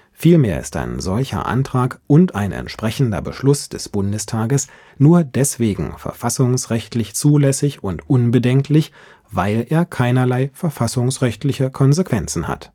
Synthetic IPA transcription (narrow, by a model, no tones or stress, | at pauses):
fiːlmeːɐɪ̰sta̰ɪnzɔlçɐ̰ʔa̰ntʁ̥aːkʔʊnta̰ɪnɛ̰ntʃpʁ̥ɛçn̩dɐ̰bəʃlʊsd̥ɛsb̥ʊndəstʰaːɡəs | nuːɐdɛsv̥eːɡŋ̩fɛ̰ɐfasʊŋsʁɛçtʰlɪçt͡suːlɛsɪçʊntʔʊnbədɛŋkʰlɪç | vaɪlʔeːɐkʰaɪnɐlaɪfɛɐfasʊŋsʁɛçtlɪçəkʰɔnzekv̥ɛnt͡sn̩ha̰t